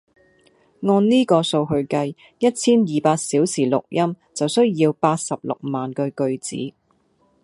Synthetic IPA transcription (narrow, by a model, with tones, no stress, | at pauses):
ŋɔː˧nniː˥kɔː˧so˧wɦɵ˧ɥkɐ˧j | jɐ˥t̚t͡sʰiː˥njiː˨paː˧t̚siː˨˥wsiː˨˩lʊ˨k̚jɐ˥m | t͡sɐ˨wsɵ˥ɥjiː˧wpaː˧t̚sɐ˨p̚lʊ̰˨k̚maː˨nkœː˧kɵ˧ɥt͡sḭː˨˥